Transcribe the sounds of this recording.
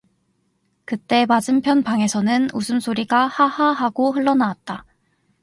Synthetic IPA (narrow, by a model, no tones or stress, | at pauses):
kɯt͈e̞mad͡ʑɯmpʰjʌnpaŋe̞sʰʌnɯnusʰɯmsʰoɾiɡahahaɦaɡoɦɯɭːʌnawat̚t͈a